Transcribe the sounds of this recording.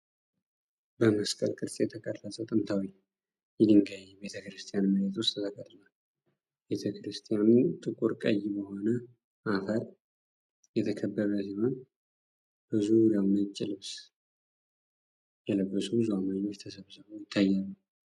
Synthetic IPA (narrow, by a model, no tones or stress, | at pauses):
bəməskʼə̰lkʼɨdsʼjɛt̪ʰəkʼəɾlasʼəwt̪ʼɨnt̪ʰawi | jɛɡɨŋɡajɛbe̞t̪ʰəkɾɨst̪ʰʼijanmɨɾet̪ʰwʊst̪ʰt̪ʰəkʼət̪ʼla | be̞t̪ʰəkɨɾɨst̪ʰʼijanut̪ʼɨkʼːuɾkʼə̰jbəho̞nə | ʔafəɾ | jɛt̪ʰəkʰəbːəɾəsihon | b̥ɨzuɾjawnət͡ʃʼːɪlɨβs | jɛləbːəsuɨzuamaɲːot͡ʃt̪ʰəsəβsɨβojɪt̪ʰːajːanəw